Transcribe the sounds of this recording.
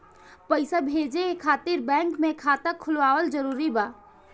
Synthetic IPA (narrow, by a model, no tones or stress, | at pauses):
pəɪsabʱeːd͡ʒeekʰaːt̪ɪɾbɛ̃ːŋkmẽkʰaːt̪əkʰʊlʋaːʋəld͡ʒəɾuːɾibaː